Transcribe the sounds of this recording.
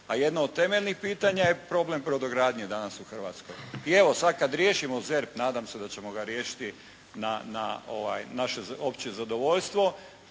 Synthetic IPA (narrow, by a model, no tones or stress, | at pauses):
aje̞d̪noːd̪̚t̪e̞meʎnixpiːt̪aɲaje̞pɾo̞ble̞mpɾod̪oɡɾaːd̪ɲed̪anasuxr̩ʋa̰t̪skojie̞ʋo̞sad̪̚kad̪ɾjeːʃimozeɾpnaːd̪amse̞d̪at͡ɕe̞moɡaɾjeːʃi̥t̪i | nana̰o̰ʋa̰jnaʃe̞opt͡ɕiezad̪oʋo̞ʎst̪ʋo̞